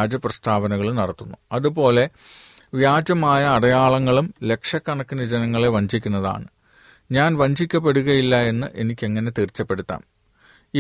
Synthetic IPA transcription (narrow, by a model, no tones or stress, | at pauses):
d͡ʑɐprɐst̪ʰaːʋɐnɐɣɐɭunɐɽɐt̪ːunːuɐðupo̞ːle̞ | ʋjaːd͡ʑɐmaːjɐːɽɐjaːɭɐŋːɐɭumle̞kʂɐkːɐɳɐkːinɐd͡ʑenɐŋːɐɭeʋɐɲd͡ʑʱikʲːunːɐða̰ːɳɨ | ɲaːnʋɐɲd͡ʑʱikʲːɐp̬ːe̞ɽuɣɐjilːɐe̞nːɨʔe̞nikʲːe̞ŋːɐne̞t̪erit͡ɕːɐpːe̞ɽut̪ːa̰ːn | i